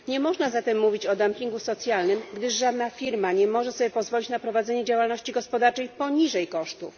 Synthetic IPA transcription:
ɲɛmɔʐnazat̪ɛmːuvʲit͡ɕɔd̪ampʲiŋɡusɔt̪sʲjalnɘmɡd̪ɘʂʐad̪nafʲiɾmaɲɛmɔʐɛsɔbʲjɛpɔzvɔlʲit͡ɕnapɾɔvad̪zɛɲɛd͡ʑawalnɔɕt͡ɕiɡɔspɔd̪aɾt͡ʂɛjpɔɲiʐɛjkɔʂt̪ṵf

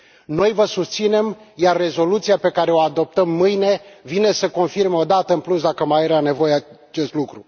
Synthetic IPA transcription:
no̞jvəsust̪sine̞mjarːe̞zo̞lut̪sijape̞kaɾe̞o̞ad̪o̞p̚t̪əmːɨjne̞vine̞səko̞nfirmeo̞d̪at̪əɨnplusd̪akəmajeɾane̞vo̞jea | t͡ʃe̞st̪lukɾu

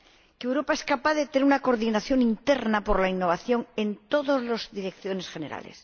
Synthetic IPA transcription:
kewɾo̞pae̞skapaðet̪eneɾunako̞ɾðinaθjo̞ŋint̪eɾnapo̞ɾlainːo̞β̞aθjo̞ŋe̞nt̪o̞ðozlozðiɾekθjo̞ne̞sxe̞ne̞ɾa̰lḛs

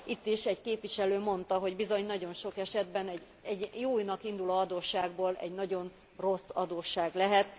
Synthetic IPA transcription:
it̪ːiʃɛɟkeːpʋiʃɛløːmo̞nt̪ɒɦo̞ɟbizo̞ɲnɒɟo̞nʃo̞kɛʃɛd̪bɛnɛɟ | ɛɟjoːjnɒkind̪ulɒɒd̪oːʃːaːɡboːlɛ̰ɟnɒɟo̞n | ro̞sːɒd̪oːʃːaːɡlɛɦɛt̪

